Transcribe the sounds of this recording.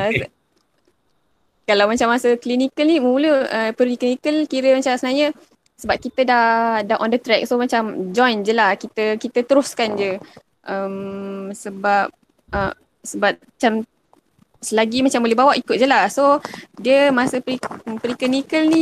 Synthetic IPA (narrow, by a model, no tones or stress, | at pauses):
ə | kalawmat͡ʃamːasəklinikəlnimuləəpəɾikinikəlkiɾəmat͡ʃasənaɲə | səbap̚kit̪ədahdaɦʔɔndət̪ɾɛk̚somat͡ʃamd͡ʒɔjnd͡ʒəlahkit̪əkit̪ət̪əɾʊskand͡ʒə | ʔəmsəbap̚ | ə | səbap̚at͡ʃam | səlaɡimat͡ʃambolɛhbawaʔikʊt̪̚d͡ʒəlahsodiəmasəpipəɾiklinikəlni